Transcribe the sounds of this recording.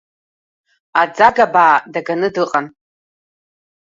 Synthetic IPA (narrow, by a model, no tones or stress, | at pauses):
ad͡zaɡabaːdaɡanɨdɨqʼan